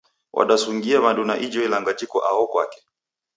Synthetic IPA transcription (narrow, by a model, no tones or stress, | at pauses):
wʔa̰ɗasuŋɡiaβandunaʔid͡ʒɔilaŋɡad͡ʒikɔʔaɔkwa̰kɛ̥